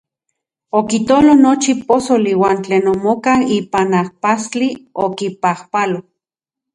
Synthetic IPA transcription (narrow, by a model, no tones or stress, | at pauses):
okit̪olonot͡ʃiposoliwaːnt͡ɬeːnomokaiːpanahpast͡ɬiokipahpalo